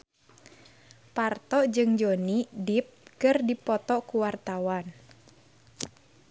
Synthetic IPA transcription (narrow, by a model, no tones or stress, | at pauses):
part̪ɔʔd͡ʒɨŋd͡ʒonidip̚kɨrdipɔt̪ɔkuwart̪awan